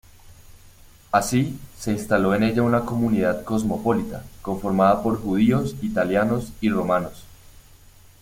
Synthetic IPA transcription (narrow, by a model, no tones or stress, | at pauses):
asise̞inst̪alo̞e̞ne̞ʝaunako̞muniðaðko̞zmo̞po̞lit̪a̰ko̞ɱfo̞ɾmaðapo̞ɾxuð̞io̞sit̪aljano̞siro̞mano̞s